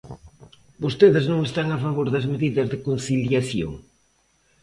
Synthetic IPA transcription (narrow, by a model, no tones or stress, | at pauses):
bost̪eðɪznõŋest̪aŋafaβoɾðɐzmeðiðɐzðɪkonθiljaθjo̰ŋ